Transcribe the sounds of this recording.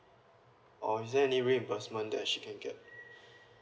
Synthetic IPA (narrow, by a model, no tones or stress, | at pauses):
ʔɔisdɛɛniɹĩnbəsmə̃ndɛ̰t̚ʃikʰɛ̃nɡɛt̚